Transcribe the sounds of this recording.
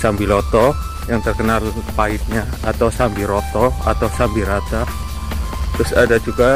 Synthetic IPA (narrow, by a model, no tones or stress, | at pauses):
sambilɔt̪ɔ | jaŋt̪ərkənalpaɪt̪̚ɲaːt̪awsambiɾɔt̪ɔa̰t̪awsambiɾat̪a | t̪ɾʊsadad͡ʒuɡa